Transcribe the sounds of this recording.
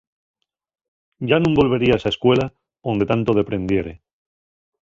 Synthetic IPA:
ʝanũmbo̞lβe̞ɾiaesaeskwe̞la | nd̪e̞t̪ant̪oð̞e̞pɾe̞nd̪je̞ɾe

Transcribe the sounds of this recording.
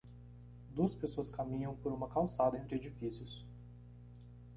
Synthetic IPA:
d̪uɐspesoɐskamĩɲɐ̃w̃poɾũmɐkawsad̪ɐẽnt̪ɾɪed͡ʒifisiʊs

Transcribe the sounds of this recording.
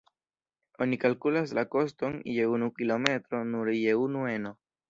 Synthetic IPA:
o̞nikalkulaslako̞sto̞nje̞unukilo̞me̞tɾo̞nuɾjeunue̞no̞

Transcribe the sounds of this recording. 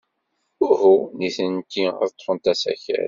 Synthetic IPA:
ʊhuniθənt̪ːḭðt̪ˤːfənt̪æsæ̰çæ̰ɾ

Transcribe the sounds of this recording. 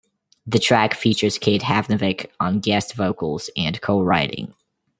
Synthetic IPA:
ðɨtʰɹ̥ækfit͡ʃə˞z̥kʰeɪt̚hævnɨvɪkʰn̩ɡɛstv̥oʊkl̩ˠz̥ɨ̃nkʰoʊɹaɪɾɪ̰̃ŋ

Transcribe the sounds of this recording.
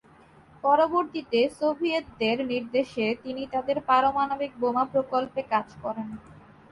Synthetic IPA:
pɔɾoboɾt̪it̪esobʱiet̪̚d̪eɾniɾd̪eʃet̪init̪ad̪eɾpaɾomanobik̚bomapɾokolpekad͡ʑkɔɾen

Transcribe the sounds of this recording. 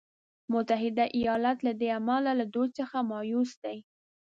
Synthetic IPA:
mʊt̪aɦɪd̪aʔijɑlat̪lad̪eamalalad̪ujt͡səxamɑjusd̪aj

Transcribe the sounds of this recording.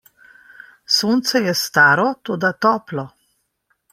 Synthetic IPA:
soːnt̪sɛjɛst̪aːɾɔt̪oːd̪at̪ɔːplɔ

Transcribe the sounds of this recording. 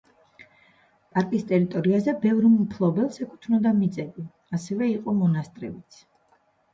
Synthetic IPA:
pʼaɾkʼist̪ʼɛɾit̪ʼɔɾiazɛbɛvɾmupʰlˠɔbɛlˠsɛkʰu̥t̪ʰnɔd̪amit̪sʼɛbi | asɛvɛiqʼɔmɔnast̪ʼɾɛ̰bit̪sʰ

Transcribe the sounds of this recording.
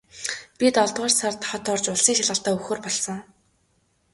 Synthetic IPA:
pʲit̪ɔɮt̪ʁɔːrsart̪χɔt̪ɔrt͡ɕʊɮsiːŋʃaɮʁə̆ɬt̪aːɵxoːrpɔɮsɞ̆ŋ

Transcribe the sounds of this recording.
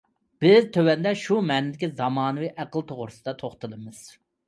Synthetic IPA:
b̥ɪzt̪ʰøwɛnd̪ɛʃumɛːnɪd̪ɪkʲizɑmɑːnɨwɨʔæqəlˠt̪ʰoʁʊɾɨsɨd̪ɑt̪ʰoχt̪ɨlˠɨmɨz̥

